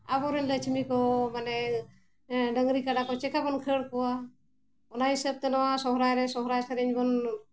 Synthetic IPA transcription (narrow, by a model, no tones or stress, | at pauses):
abɔɾəɲlat͡ʃʰimikɔmanɛ | ɖəŋɾikaɖakɔt͡ʃɛkabɔnkʰeɽkɔwa | ɔnaɦisəb̚t̪ɛnɔwasɔɦɾajɾɛsɔɦɾajsaɾɛɲbɔn